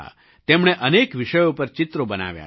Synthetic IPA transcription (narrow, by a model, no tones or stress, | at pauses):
a̰ | t̪emɽ̃eʔənekʋɪʃəjopəɾt͡ʃɪt̪ɾobəna̰ʋja̰